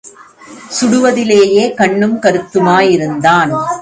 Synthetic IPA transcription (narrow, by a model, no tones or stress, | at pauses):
sʊɽɯʋɐðɪleːjeːkɐɳːɯmkɐɾɯt̪ːɯmaːjɪɾɯnd̪aːn